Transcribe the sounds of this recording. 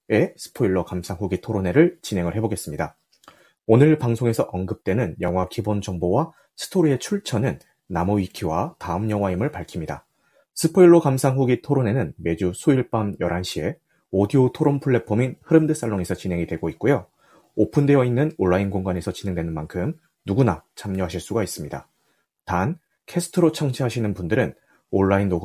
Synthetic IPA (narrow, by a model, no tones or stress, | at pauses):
e̞sʰɯ̥pʰoiɭːʌkamsʰaŋɸuɡitʰoɾone̞ɾɯɭt͡ɕine̞ŋɯɭhe̞boɡe̞s͈ɯmɲida | onɯɭpaŋsʰoŋe̞sʰʌʔʌnɡɯp̚t͈we̞nɯnjʌŋwakibond͡ʑʌŋbowa | sʰɯ̥tʰoɾie̞t͡ɕʰuɭt͡ɕʰʌnɯnː | amoikʰiwataɯmɲjʌŋɦwaimɯɭpaɭkʰimɲida̰ | sʰɯpʰoiɭːokamsʰaŋɦuɡitʰoɾone̞nɯnme̞d͡ʑusʰoiɭp͈amjʌɾʔanɕʰie̞ | odiotʰoɾompʰuɭːe̞pʰominhɯɾɯmdɯs͈aɭːoŋe̞sʰʌt͡ɕine̞ŋidwe̞ɡoit̚k͈ujo | opʰɯndewʌinːɯnoɭːainɡoŋɡane̞sʰʌt͡ɕinɦe̞ŋdwe̞nɯnmankʰɯm | nuɡunat͡ɕʰamɲʌɦaɕʰiɭs͈uɡais͈ɯmɲida | tan | kʰesʰɯ̥tʰɯɾot͡ɕʰʌŋt͡ɕʰiɦaɕʰinɯnpundɯɾɯn | oɭːainːoɡ